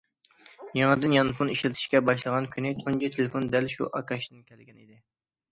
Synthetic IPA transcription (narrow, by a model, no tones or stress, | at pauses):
jɑŋɨd̪ɨnjɑnpʰuniʃlɪt̪ʰɪ̥ʃkʲɛbɑʃlˠəʁɑnkʲʰynɪt̪ʰond͡ʒit̪ʰelɪfond̪ɛlʃṵʔɑkʰɑʃd̪ɨnkʲʰɛlɡʲɛnḭd̪ɪ